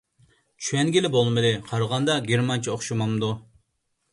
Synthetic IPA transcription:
t͡ʃʰywɛnɡʲilɪbolˠmɨdlɨqʰɑɾʁɑnd̪ɑɡʲeɾmɑnt͡ʃʰioχʃumɑmd̪u

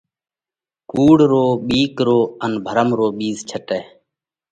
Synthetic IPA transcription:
kuːɽɾoːɓiːkɾoːənbʱəɾəmɾoːɓiːzt͡ʃʰəʈeː

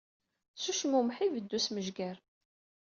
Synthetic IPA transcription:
suʃmumħivəd̪ːusməʒɡæɾ

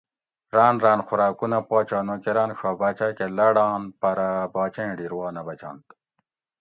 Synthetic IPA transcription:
ɾaːnɾaːnxuɾaːkunɐpaːt͡ɕaːnokeɾaːnɕaːbɐt͡ɕakelɐɽaːnpɐɾɐbaːt͡ɕẽːɖiɾwaːnɐbɐt͡ɕa̰ːnt̪

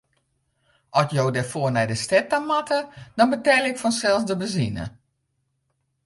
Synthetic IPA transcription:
ɔsjowdɛrfoːrnɛjdəstɛtamatədɔnbətɛlˠɪkfɔnsɛlˠsdəbəzinə̰

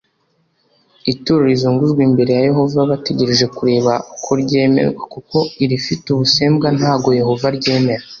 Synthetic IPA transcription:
ituɾuɾizuːŋɡuʒɡwiːmbe̞ɾe̞jaje̞ɦo̞vaβate̞ɟe̞ɾe̞ʒe̞kuɾe̞ːβakʰoɾɟe̞ːme̞̰ɾɡwakuko̞iɾifituβuse̞ːmbɡan̥haːɡo̞je̞ɦo̞vaɾɟe̞ːme̞ɾa

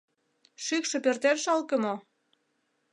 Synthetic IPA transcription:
ʃykʃĕpørt̪erʃɑlkə̆mo

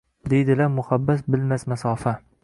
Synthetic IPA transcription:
d̪ejd̪ɪlaɾmʊχabːasbɪlmasmasɒːfa

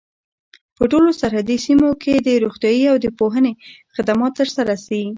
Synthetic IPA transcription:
pəʈolosaɾhad̪isimokʰed̪əɾoxt̪jɑjiawd̪əpoɦənexɪd̪amɑt̪ːəɾsaɾasawi

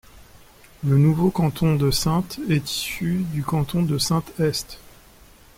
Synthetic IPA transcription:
lənuvokɑ̃t̪ʰɔ̃d̪əsɛ̃t̪ɛt̪i̥syd̪ykɑ̃t̪ʰɔ̃d̪əsɛ̃t̪ɛst̪

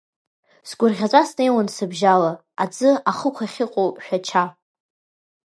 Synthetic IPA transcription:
sɡʷʊrʁʲat͡sʷʼasne̞jwansɨbʒala | ad͡zɨaχəkʷʰaχʲɪqʼowʃᶣat͡ʃʰa

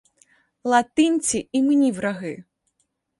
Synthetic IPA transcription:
lˠat̪ɨnʲt͡sʲiimnʲiwɾaɣɨ

